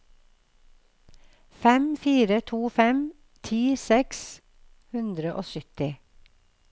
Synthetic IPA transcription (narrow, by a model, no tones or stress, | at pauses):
fɛmfiːɾət̪ʰuːfɛm | t̪ʰiːsɛks | hʉnd̪ɾəʔo̰ːsʏt̪ɪ